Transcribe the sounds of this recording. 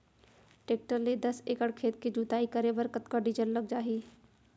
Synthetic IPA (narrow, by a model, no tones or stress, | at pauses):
ʈeːk̚ʈəɾled̪ɐseːkəɽkʰeːt̪kid͡ʒuːt̪aːikəɾebɐɾkət̪kaɖid͡ʒəlːɐɡ̚d͡ʒaːɦiː